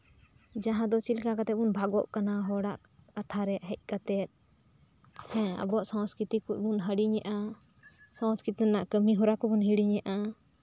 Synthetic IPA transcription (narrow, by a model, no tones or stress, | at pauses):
d͡ʒaɦãd̪ɔt͡ʃilkakat̪ɛt̪̚bunbʱaɡɔʔkanaɦɔɽaʔ | kat̪ʰaɾɛʔɦɛc̚ˀkat̪ɛt̪̚ | hɛ̃a̰bɔʔsãwskɾit̪ikuʔ̚bunɦəɽiɲɛʔa | sãw̃skɾit̪naʔkəmiɦɔɾakɔbunɦiɽiɲɛʔa